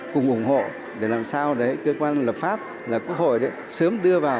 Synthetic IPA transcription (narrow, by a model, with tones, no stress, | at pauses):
kʊ˨˩ŋ͡mʔʊ˧˩ŋ͡mho̰˧˨ | ɗe˧˩laː˨˩msaː˧wɗə˨˦kəː˧kwaː˧nləː˨˩p̚faː˦˥p̚ | laː˨˩kwu˦˥ək̚ho̰˧˨jɗə˨˦jsə˨˦mɗɨ˧əvaː˨˩w